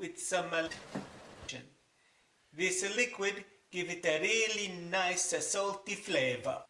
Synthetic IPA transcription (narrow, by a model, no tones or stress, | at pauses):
ɪd̪sʌmə | ə̰̃n | ðɪsəlɪkwɪd | ɡ̥ɪvɪtəɹilinaɪsəsɔlˠtifleɪvə̰